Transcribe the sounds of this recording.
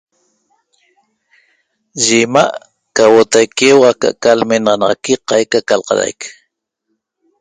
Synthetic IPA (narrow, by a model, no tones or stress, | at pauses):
ʒemaʔ | kawot̪ajkewaka̰ʔkalmenʁɑnɑʁɑkiqɑjkakalqɑ̰ɾa̰jk